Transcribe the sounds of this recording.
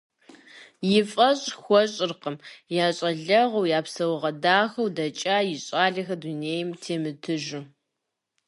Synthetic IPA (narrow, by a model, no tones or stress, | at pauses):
jɪfʼɐɕʼxʷɔɕʼɪrqəmjaːɕʼɐɮɐʁɐwjaːpsɐwʁɐdaːxɐwdɐt͡ʃʼaːjɪɕʼaːɮɐxɐduneːjɪmtʰeːmɨtʰɨʒʊ